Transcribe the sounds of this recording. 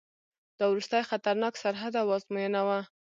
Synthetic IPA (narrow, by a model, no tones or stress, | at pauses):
d̪ɑwɾust̪ajxat̪aɾnɑksaɾɦad̪awɑzmujənawa